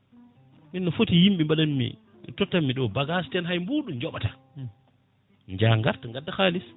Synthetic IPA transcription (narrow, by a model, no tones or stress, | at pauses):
minːɔfotijimɓimbaɗanmḭ | tɔtːamːiɗɔbaɡastɛnɦajmbuɗumd͡ʒɔɓata | ɲd͡ʒaːŋɡaɾtaŋɡadːaxaːlis